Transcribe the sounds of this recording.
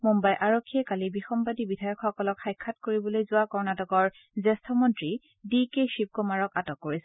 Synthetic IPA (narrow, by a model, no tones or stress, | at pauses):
mumbajʔaɹokʰːiɛkalibixɔmpadibidʱajɔkxɔkɔlɔkxajkʰːatkoɹibɔlojzʊwakɔɹnatɔkɔɹ | zɛstʰɔmɔntɹi | dikeʃip̚komaɹɔkatɔkːoɹisɛ̥